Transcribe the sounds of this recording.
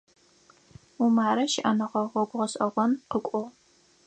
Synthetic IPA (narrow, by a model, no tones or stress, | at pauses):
umaːɾɐʃɪʔɐnɐʁɐʁʷɐɡʷʁɐɕʼʔɐʁʷɔnqəkʷʼɔw